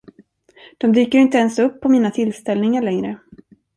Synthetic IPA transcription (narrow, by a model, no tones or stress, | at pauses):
d̪̥ɔmd̪yːkəɾɪnt̪əɛnsɵpʰːɔmiːnat̪ʰɪlst̪ɛlnɪŋaɭɛŋɾə